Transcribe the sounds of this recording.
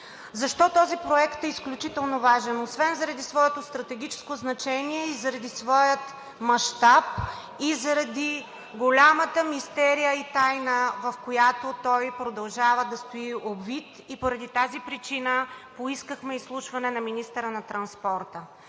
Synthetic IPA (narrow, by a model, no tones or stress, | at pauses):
zɐʃt̪ɔt̪ɔzipɾoɛkt̪ɛisklʲut͡ʃit̪ɛlˠnovaʒɛnosvɛnzɐɾɐd̪isvɔɛt̪ost̪ɾɐt̪ɛɡʲit͡ʃɛ̥skoznɐt͡ʃɛniɛizɐɾɐd̪isvɔjət̪ | mɐʃt̪ap̚ | izɐɾɐd̪i | ɡolʲamət̪əmist̪ɛɾijəit̪ajnəvɐfkojat̪ot̪ɔjpɾod̪ɐlˠʒavəd̪ɐst̪oiʔobvit̪ | ipoɾɐd̪it̪azipɾit͡ʃinəpoiskəxmɛislˠuʃvɐnɛnɐminist̪əɾənɐt̪ɾɐnspɔɾt̪ə